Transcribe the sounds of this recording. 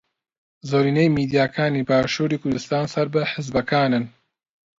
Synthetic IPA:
zoːɾiːnejmiːd̪ijaːkʰaːniːbaːʃuːɾiːkʰʊɾd̪ɨst̪aːnsɐɾbɨħɨzbɐkʰaːnɨn

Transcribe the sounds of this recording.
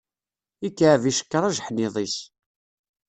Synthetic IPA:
ikːaʕviʃə̥kːəɾˤaʒħniðˤis

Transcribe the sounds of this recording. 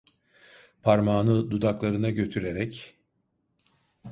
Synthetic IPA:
pʰaɾmaːnɯd̪ud̪aklˠaɾɯnaɟø̞t̪ʰyɾe̞ɾɛc

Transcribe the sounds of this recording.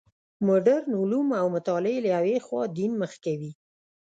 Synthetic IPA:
mʊɖaɾnʊlumawmʊt̪ɑlɪelaawexwɑd̪inməxkawi

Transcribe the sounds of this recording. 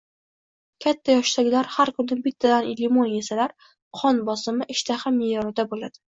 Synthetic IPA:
kʲʰat̪ʰːajɒʃt̪aɡʲɪlaɾhaɾkʰʊnɪbɪt̪ʰːad̪anɪlːɪmonjesalaɾ | qʰɒnbɒsɪmɪʔɪʃt̪ʰaχamːejɒɾɪd̪abolad̪̥ɪ̥

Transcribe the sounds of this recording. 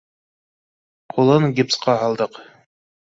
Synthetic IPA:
qʰulˠɤŋɡʲipsqɑɦɑlˠd̪ɤq

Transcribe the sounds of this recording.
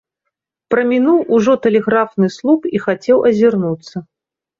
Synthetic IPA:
pɾɐmʲinuwʔuʐɔt̪ɛlʲɛɣɾafnɨslˠupixat͡sʲɛwʔɐzʲirnut̪sːɐ

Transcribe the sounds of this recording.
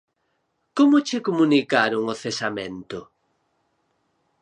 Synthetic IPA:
komʊt͡ʃɪkomunikaɾʊŋoθesamḛ̃nt̪ʊ

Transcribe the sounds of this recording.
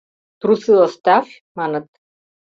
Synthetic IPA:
t̪ɾusilˠast̪af | manat̪

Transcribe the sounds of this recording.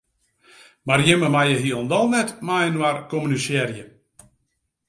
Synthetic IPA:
marjɪməmajəɦiəlˠndɔlˠnɛtmajənwarkɔmynysɛrjə

